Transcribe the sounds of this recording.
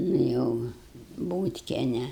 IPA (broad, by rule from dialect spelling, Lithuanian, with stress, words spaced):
nʊ ˈjɛʊ ˈbuːtʲkʲiɛnʲɛ